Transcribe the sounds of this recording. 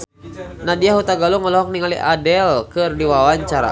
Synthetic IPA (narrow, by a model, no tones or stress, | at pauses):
nadiaɦut̪aɡaluŋɔlɔɦɔk̚niŋalḭʔadɛlkɨrdiwawaɲt͡ʃaɾa̰